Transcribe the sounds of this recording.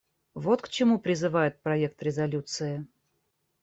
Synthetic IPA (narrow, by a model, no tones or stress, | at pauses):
vo̞t̪kt͡ɕɪmupɾʲɪzɨvajɪt̪̚pɾɐek̚t̪ɾʲɪzɐlʲut̪sɨɪ